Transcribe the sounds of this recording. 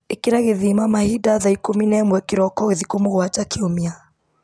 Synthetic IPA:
ekiɾaɣeðimamahidaðaikominɛmwɛkiɾɔkɔɣeðikomuɣwat͡ʃakʰiomia

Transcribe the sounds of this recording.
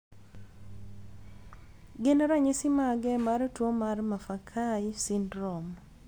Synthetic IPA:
ɡɪnaɾaɲisimaɡɛmaɾtwomarmafakʰajisindɾɔm

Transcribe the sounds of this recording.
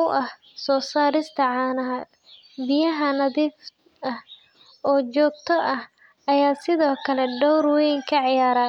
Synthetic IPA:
ʊwʔɐh | sɔːsaːɾɪst̪ʰɐʕɑːnɐɐd̪ | bɪjɐɦɐnɐðiːf | ɐh | ɔːt͡ʃɔːɡ̚t̪ʰɔʔɐh | ɐjaːsɪðɔːkʰɐlɛɖɔwrwɛjŋkʰɐʕɪjaːɾaː

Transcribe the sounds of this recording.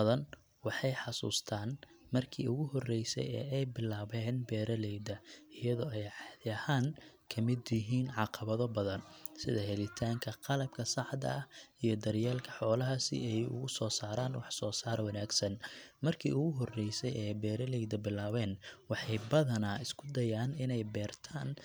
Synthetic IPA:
ðɐn | wɑħɑjħɑsṵːst̪ʰaːn | mɐrkʰiːʊɣʊhɔrɛjsɛ̰jɛ̰ːɛjbɪlaːβɛːnbɛːɾɐlɛjd̪ɐɪjɐðɔːɛjʕɑdɐhaːnkʰɐmɪd̪jɪɦiːnʕɑqɑβɐðɔbɐðɐnsɪðɐɦɛlɪt̪ʰaːŋkʰɐqɑlɐb̚kʰɐsɑħd̪ɐ̰ɐhijɞd̪ɐrjaːlkʰɐ̥ħɔːlɐɦɐsɪ̰ɛjʊ̰ɣʊsɔːsaːɾaːnwɑħsɔːsaːɾwɑnaːɡsɐnmɐrkʰḭːʊɣʊɦɔrɛjsɛjɛjbɛːɾɐlɛjd̪ɐbɪlaːβɛːnwɑħɑjbɐðɐnaːɪskʰʊ̥d̪ɐjaːnɪnɛjbɛːrt̪ʰaːn

